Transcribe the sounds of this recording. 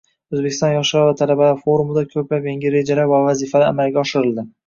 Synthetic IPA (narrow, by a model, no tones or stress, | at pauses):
ɵzbe̞kʲɪ̥st̪ɒnjɒʃɪaɾvat̪ʰalabafoɾumɪd̪akʲʰɵplapʲjaŋʲɪɾe̞d͡ʒalaɾvavazifalaa̰malɡʲaɒʃɪɾɪld̪ɪ